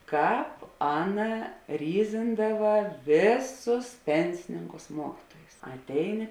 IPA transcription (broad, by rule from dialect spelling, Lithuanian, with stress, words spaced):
ˈkɑːp ˈɑːˌnɐ ˈrʲiːzʲɪndɐʋɐ ˈʋʲeːˌsʊs ˈpʲɛnʲsʲɪnʲɪŋkʊs ˈmuɔkʲɪtuɔjʊs ɐtʲˈɛɪˌnʲɪ